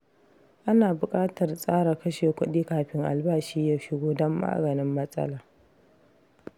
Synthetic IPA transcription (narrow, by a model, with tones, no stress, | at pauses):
ʔa˦naː˨bʊ˨kʼaː˦tɐ˨rsʼaː˦ɽa˨kɐ˦ʃeː˨kʷʊ˦ɗiː˦kaː˨ɸɪ˦ŋʔa̰˨lbaː˦ʃiː˦jaː˦ʃɪ˦ɡʷoː˦dɔ˦mːa̰ː˦ɡɐ˨nɪ˦mːɐ˦sʼɐ̰˦laː˨